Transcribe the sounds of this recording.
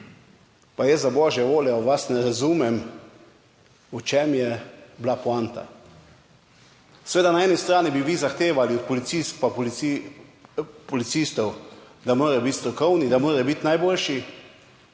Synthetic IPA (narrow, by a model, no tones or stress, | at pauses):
pajɛszabɔːʒjɛʋoːljɛʋasnɛɾazuːmɛm | ut͡ʃɛmjɛblapuant̪a̰ | sɛʋeːd̪anaɛːnist̪ɾaːnibiʋiːzaxt̪eːʋaliɔt̪pɔlit̪sis̚papl | pɔlit̪siːst̪ɔw | d̪amoːɾɛbit̪st̪ɾɔkɔwnid̪amoːɾɛbit̪najboːlʃi